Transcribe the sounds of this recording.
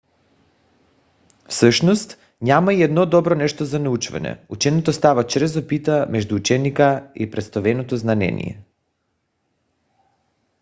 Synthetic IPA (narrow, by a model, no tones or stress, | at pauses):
fsəʃnɔst̪ | ɲamaiɛd̪nɔd̪ɔbɾɔnɛʃt̪ozanɛut͡ʃvɛ̰nɛ̰ut͡ʃɛnit̪ɔst̪avat͡ʃɾɛzopit̪amɛʒd̪uːt͡ʃɛnikaipɾɛst̪ovɛnot̪ɔznanɛ̰nḭjɛ̰